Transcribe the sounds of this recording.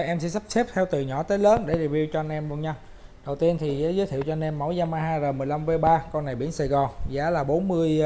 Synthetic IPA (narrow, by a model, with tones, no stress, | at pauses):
ʔɛ˧msɛ̰˧˥sa˦˥p̚se˦˥p̚t̪ʰɛ˧wt̪ɨ˨˩ɲɔ̰˧˩˦t̪əː˨˦ləː˨˦nɗḛ˧˩ɗ̚vi˧wt͡ɕɔ˧a˧nʔɛ˧mɗu˧ənɲa˧w | ɗə˨˩wt̪i˧ənt̪ʰi˨˩zaː˨˦zəː˨˦t̪ʰi˧˨əwt͡ɕɔ˧nʔɛ˧mːo̰˧˥˦jzaː˧maː˧ɦaː˧jzəː˨˩mɨ˨˩əjla˧mve˨˧˦ɓaː˧kɔ˧nːa˨˩jɓḭ˧˩ənsaː˧˩ɣɔ˨˩nzaː˨˦laː˨˩ɓo˨˦nmɨ˧əj